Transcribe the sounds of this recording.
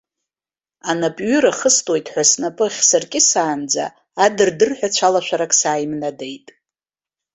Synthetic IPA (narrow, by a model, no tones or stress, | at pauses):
anapʼɥʏɾaχəstʼwojtʼħʷasnapʼɨχʲsɨrkʲʼɪsaːnd͡za̰ː | dɨrdɨrħʷᶣat͡ɕʷʰalaʃʷaɾakʼsaːjmnadejtʼ